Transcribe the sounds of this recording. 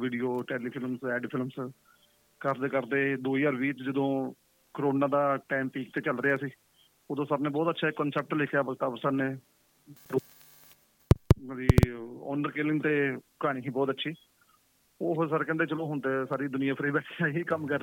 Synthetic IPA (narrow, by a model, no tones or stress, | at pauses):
ʋiːɖijoːʈeːliːpʰɪlmsɛːɖpʰɪlms | kəɾd̪eːkəɾd̪eːd̪oːiːjaːɾʋiːt͡ʃd͡ʒəd̪õː | kəɾoːnãːd̪aːʈɛːmpiːk̚t̪eːt͡ʃəlɾeaːsiː | ʊd̪õːsaːɾneːbɔːt̪ətːʃʰaːkənsɛːp̚ʈleːkʰjaːbəɡt̪aːbəsaːnẽː | ɾ | məd͡ʒiːɔ̰ːnəɾkeːlɪŋt̪eːkaːɽ̃ĩːɦĩːbɔːt̪ətːʃʰiː | oːɦsaɾekɛ̃nd̪eːt͡ʃəlõːɦʊnt̪esaːɾiːd̪ʊnɪjãːpʰɾiːbɛːʈʰiaːiːkəmkəɾ